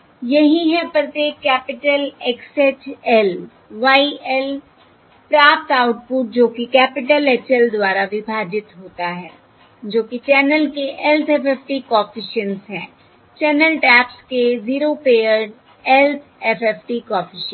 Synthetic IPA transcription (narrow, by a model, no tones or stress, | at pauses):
jɐɦĩɦɛ̃pɾɐt̪eːkːɛːpɪʈəlɛkseʈɛl | ʋaːiʔɛl | pɾaːp̚t̪aːʊʈ̚puːʈ̚d͡ʒoːkikɛːpɪʈəlɛt͡ʃəld̪waːɾaʋɪbʱaːd͡ʒɪt̪ɦoːt̪aɦɛː | d͡ʒoːkit͡ʃɛːnəlkeʔɛlt̪ʰɛpʰɛːpʈikɔːfʰɪʃənsɦɛ̰̃ː | t͡ʃɛːnəlʈɛːpskeziːɾopeːjəɾɖ | ɛlt̪ʰɛfʰɛpʈikɔːfɪʃən